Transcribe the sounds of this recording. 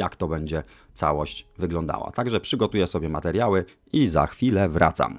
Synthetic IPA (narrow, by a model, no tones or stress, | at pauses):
jakt̪ɔbɛɲd͡ʑɛ | t̪sa̰wɔɕt͡ɕvɘɡlɔnd̪a̰wa̰t̪aɡʐɛpʂɘɡɔt̪ujɛsɔbʲjɛmat̪ɛɾʲjawɘ | iza̰xfʲilɛvɾa̰t̪sa̰m